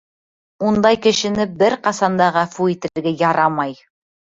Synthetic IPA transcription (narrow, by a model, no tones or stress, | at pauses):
und̪ɑjkɘ̆ʃɘ̆nɘbɘɾqɑsɑnd̪ɑʁɑfuit̪ɘ̆ɾɘ̆ɾɡɘjɑɾɑmɑj